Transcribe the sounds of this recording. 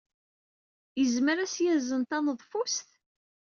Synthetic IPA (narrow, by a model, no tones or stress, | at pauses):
jəzməɾæsjæzənt̪ænəðˤfust̪